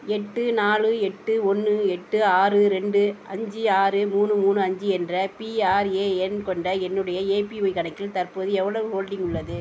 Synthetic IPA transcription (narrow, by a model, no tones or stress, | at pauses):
ɛʈːɯnaːlɯɛʈːɯɔnːɯɛʈːɯaːrɯɾɛɳɖɯʔɐɲd͡ʒiaːrɯmuːnɯmuːnɯɐɲd͡ʒiɛndrɐpiaːɾeːɛnkɔɳɖɐɛnːɯɽɐjɐeːpiɔɪkɐnɐɪkːɪlt̪ɐrpoːðɯɛʋːɐɭɐʋɯhoːlɖɪŋɡʊɭːɐðɯ